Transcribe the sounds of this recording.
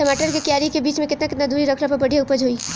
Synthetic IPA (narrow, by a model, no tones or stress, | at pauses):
sɐmaːʈəɾkekjaːɾikebiːt͡ʃmẽkɪt̪nakɪt̪nad̪uːɾiɾɐkʰɾapɐbɐɽʱijaʊpəd͡ʒɦoːiː